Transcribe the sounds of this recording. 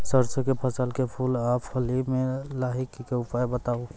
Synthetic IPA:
səɾsəkepʰəsəlkepʰuːlaːpʰhəlimẽlaɦikkeʊpajbət̪aːo

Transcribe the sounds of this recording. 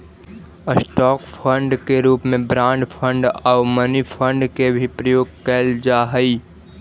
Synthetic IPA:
sʈɔːkpʰə̃ɳɖkeɾuːpmẽbɾãːɳɖpʰə̃ɳɖaːʊmənipʰə̃ɳɖkebʱipɾəjoːɡ̚kɛːld͡ʒaːɦəi

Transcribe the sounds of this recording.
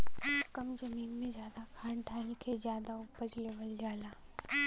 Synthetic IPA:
kɐmd͡ʒɐmiːnmẽd͡ʒjaːd̪akʰaːɳʈʰaːlkʰezjaːd̪aʊpət͡ʃleʋəlːijaːlaː

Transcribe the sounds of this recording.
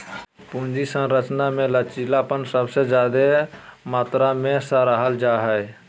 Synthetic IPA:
pũnd͡ʒisə̃ɾət͡ʃnamẽlət͡ʃilapənsəbsed͡ʒjad̪emaːt̪ɾamẽsəɾəɦəld͡ʒaɦəj

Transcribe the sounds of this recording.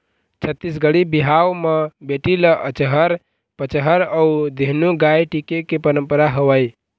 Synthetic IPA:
t͡ʃʰət̪ːisɡəɽibiɦawmebeʈiləʔət͡ʃəɦəɾ | pət͡ʃəɦəɾəud̪eɦnuɡajʈikekepəɾəmpəɾaɦəwəj

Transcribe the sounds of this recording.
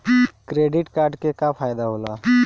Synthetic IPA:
kɾeɖɪʈkaːɾɖkekapʰaːjd̪aɦoːla

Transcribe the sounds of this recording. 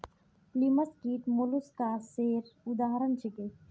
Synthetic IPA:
pliməskiːʈ̪moluskaseːɾʊd̪aːɦɾənt͡ʃʰeke

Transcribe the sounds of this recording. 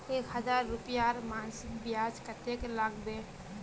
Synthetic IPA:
eːkɦəzaːɾːʊpjaɾmaːnsɪk̚bɪjaːd͡ʒkət̪eklaɡbe

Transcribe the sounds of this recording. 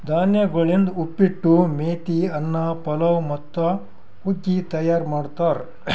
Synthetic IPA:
d̪ʱaːnjɐɡɐɭind̪upːiʈːumeːt̪iɐnːɐpɐlɐwmɐt̪ːɐ | huɡːit̪ɐjaːɾmaːɖt̪aːɾ

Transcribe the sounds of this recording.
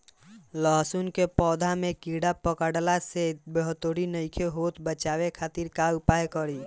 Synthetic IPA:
ləɦsunkepɔːd̪ʱamekiɽapəkəɽlasebəɦt̪oɽinəɪkʰeɦot̪bət͡ʃaʋekʰat̪iɾkapajkəɾi

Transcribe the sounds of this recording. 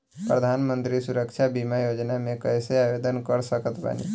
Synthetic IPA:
pɾəd̪ʱaːnmə̃nt̪ɾisuɾəkʃʰabimajod͡ʒnamẽkəjseaʋed̪ənkəɾsəkət̪ba̰nḭ

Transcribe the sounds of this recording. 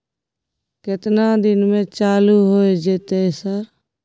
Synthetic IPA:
kɪt̪naːd̪ɪnmẽːt͡ʃaːluːɦoːed͡ʒet̪esəɾ

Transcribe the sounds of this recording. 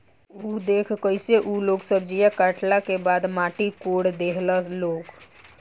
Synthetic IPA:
ud̪ekʰkəjseʔuloksəbd͡ʒijakaʈlakebad̪maʈikoɽd̪eɦləlok

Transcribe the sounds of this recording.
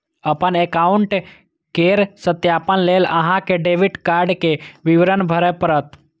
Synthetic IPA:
əpənekaʊɳʈ | keɾsət̪jaːpənleləɦãkeɖeʋiʈkaːɾɖkeʋɪʋɾənbʱəɾɛpəɾət̪

